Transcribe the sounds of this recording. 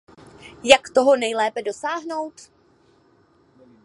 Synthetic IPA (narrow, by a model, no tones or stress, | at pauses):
jakt̪o̞ɦo̞nɛjlɛːpɛdosaːɦno̞wt̪